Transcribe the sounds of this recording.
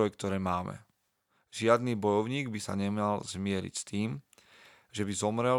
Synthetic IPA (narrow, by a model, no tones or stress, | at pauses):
ɔjɛk̚t̪ɔɾɛːmaːmɛ̰ | ʒɪad̪niːbɔjɔʊɲiːɡbisaɲɛmalzmɪɛɾḭcst̪iːm | ʒɛbizɔmɾɛ